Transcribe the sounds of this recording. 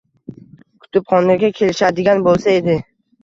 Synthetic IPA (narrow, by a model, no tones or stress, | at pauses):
kʰʊ̥t̪ɪpχɒnaɾɡʲakʲʰe̞lɪʃad̪ɪɡʲanbolˠsae̞d̪ɪ